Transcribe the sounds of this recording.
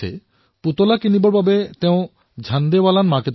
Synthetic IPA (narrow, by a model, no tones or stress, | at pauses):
ḛ | put̪olakinibɔɾbabet̪eõ | d͡ʑʱand̪ewalanmaket̪